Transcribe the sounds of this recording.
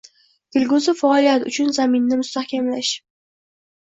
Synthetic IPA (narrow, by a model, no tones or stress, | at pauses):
ɡ̪̥ɪlɡʊzɪfaːlˠijat̪ʊt͡ʃʰʊnzamɪnːɪmʊst̪ahkʲamlaʃ